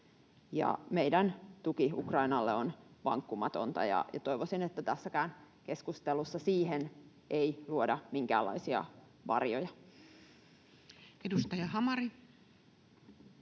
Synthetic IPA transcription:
jɑ̰me̞idænt̪ukiukrɑinɑlːeonʋɑ̰ŋkːumɑt̪o̞nt̪ɑ̰jɑ̰jɑt̪o̞iʋosinet̪ːæt̪æsːækæːn | ke̞skust̪elusːɑsiːɦen | eiluodɑmiŋkæ̰ːlːɑ̰isiɑ̰ | ʋɑ̰rjojɑ | edust̪ɑjɑhɑmɑɾi

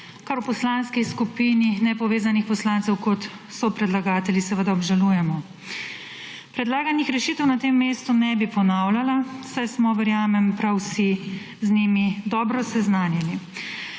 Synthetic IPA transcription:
kaɾwpɔslanskiskupininɛpɔʋeːzanixpɔslant̪sɛwkɔt̪sɔpɾɛd̪laɡaːt̪ɛlʲjisɛʋəd̪aɔbʒalujɛmɔ | pɾɛd̪laːɡanixɾɛʃiːt̪ɛwnat̪eːmːeːst̪unɛbipɔnawlalasajsmɔʋɛɾjaːmɛmpɾawsi | znimid̪ɔːbɾɔsɛznaːnɛni

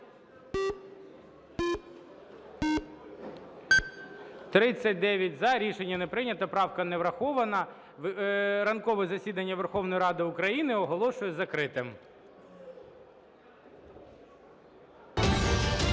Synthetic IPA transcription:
t̪ɾɪt͡sʲːɐt̚ʲd̪ɛʋʲjɐtʲzɐɾʲiʃenʲːɐnepɾɪnʲɐt̪ɐpɾɑwkɐneʋɾɐxɔʋɐnɐ | ʋɾɐnkɔʋɛzɐsʲid̪ɐnʲːɐʋerxɔwnɔjɾɑd̪ɪʊkɾɐjinɪɔɦɔlˠɔʃʊjɛzɐkɾɪt̪ɪm

